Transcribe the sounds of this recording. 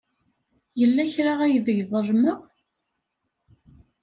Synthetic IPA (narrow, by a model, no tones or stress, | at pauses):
jəlːæçɾaʁæjðəʝðˤərˤməʁ